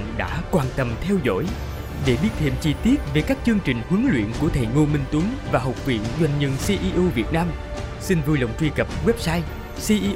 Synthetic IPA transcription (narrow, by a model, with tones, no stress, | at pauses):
ɗa̰ː˧˥kwaː˨˩nt̪ə˨˩mt̪ʰɛ˧wzo̰˧˥˨j | ɗe˧˩ɓi˦˥ət̪ʰḭ˧˨mt͡ɕi˧t̪i˦˥ət̚ve˨˩kaː˦˥k̚t͡ɕɨ˧əŋt͡ɕï˨˩ŋ̟hɨ˨˦ŋlwḭ˧˨ənku˧˩ət̪ʰe˧˨˩jŋo˧mi˧ŋt̪wu˨˦ŋvaː˨˩ɦwk͡p̚vḭ˧˨ənzwa˧jŋ̟ɲə˧nsi˧ʔi˧ʔu˧vi˨˩ət̚naː˧m | si˧nvɨ˧lə̰˧˨wŋ͡mt͡ɕwi˧kə˨˩p̚ɣwɛ˦˥p̚saː˧j | si˧ʔi˧